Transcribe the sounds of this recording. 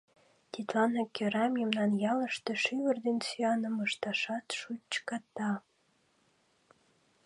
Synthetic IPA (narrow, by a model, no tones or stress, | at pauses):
t̪ʲit̪lɑnɑkːøɾɑmjəmnɑnjɑləʃt̪eʃyβərd̪ensyɑnəməʃt̪ɑʃɑt̪ʃut͡ɕkɑt̪ːɑ